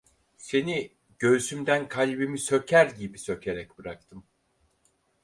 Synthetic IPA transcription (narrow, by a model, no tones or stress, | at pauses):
se̞ni | ɟ̥øsymd̪ænkʰalʲbimisø̞cʰæɾɟibisø̞cʰe̞ɾɛc̚b̥ɯɾak̚t̪ʰɯm